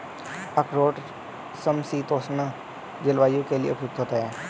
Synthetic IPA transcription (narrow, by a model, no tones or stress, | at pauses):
əkʰɾoːʈ | səmsiːt̪oːsna | d͡ʒəlʋaːjõkeliḛʊpjʊk̚t̪ɦoːt̪aɦɛː